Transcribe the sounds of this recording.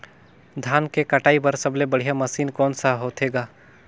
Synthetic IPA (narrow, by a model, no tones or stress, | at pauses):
d̪ʱaːnkekɐʈaːipɐɾsɐblebɐɽ̤ijamɐsiːnkɔːnsaɦoːt̪ʰeːɡaː